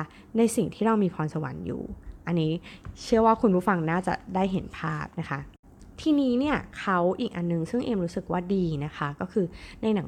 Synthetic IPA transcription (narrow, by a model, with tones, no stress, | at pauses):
na˧jsi˨˩ŋt̪ʰiː˥˩ɾa˧wmiː˧pʰɔː˧nsa˧wa̰˨˦njṵː˨˩ʔa˧nːiː˦˥t͡ɕʰɯ˥˩ɐwaː˥˩kʰu˧npʰuː˥˩fa˧ŋnaː˥˩t͡ɕa̰˨˩daː˥˩jɦe˩˦npʰaː˥˩p̚na˦˥kʰa˦˥ | t̪ʰiː˧niː˦˥ni˥˩ɐkʰa˦˥wʔiː˨˩k̚ʔa˧nːɯ˨˩ŋsɯ˥˩ŋʔeː˧mɾuː˦˥sɯ˨˩k̚waː˥˩diː˧na˦˥kʰa˦˥kɔː˥˩kʰɯː˧na˧jna˨˩˦